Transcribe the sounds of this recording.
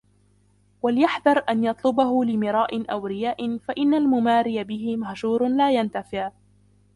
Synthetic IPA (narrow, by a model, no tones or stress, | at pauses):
waljaħd̪ɑɾˤʔanjɑt̪ˤlʊbaɦʊlɪmɪɾˤɑːʔɪnʔawɾɪjaːʔɪnfaʔɪnːalmʊmaːɾɪjabɪhɪmahʒuːɾˤlaːjant̪afɪʕ